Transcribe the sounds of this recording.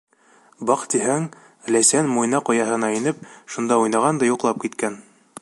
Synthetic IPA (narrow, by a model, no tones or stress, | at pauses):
bɑqt̪iɦæŋ | læsænmujnɑqŏjɑɦɤ̆nɑinɘp̚ʃund̪ɑujnɑʁɑnd̪ɑjuqlˠɑp̚kit̪kæn